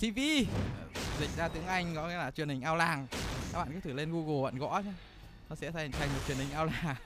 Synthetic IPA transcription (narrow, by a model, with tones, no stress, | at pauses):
t̪ʰi˧vi˧ | zï˨˩k̟̚zaː˧t̪ɨ̰˧˦˥əŋʔa˧jŋ̟kɔ̰˨˧˦ŋḭ˧˥laː˨˩t͡ɕwi˨˩ənhï˨˩ŋ̟ʔaː˧wlaː˨˩ŋka˧˦˥k̚ɓa̰ː˧˨˩kːt̪ɨ˧˩le˧nɣu˧ɣo˨˩və̰˧˨nɣɔ̰˧˥t͡ɕaː˧˦ | nɔ˨˦sɛ̰˧˥t̪ʰa˧tʰa˨˩j̟mo˨˩t͡ɕi˨˩ənhï˨˩ŋʔaː˧wlaː˨˩ŋ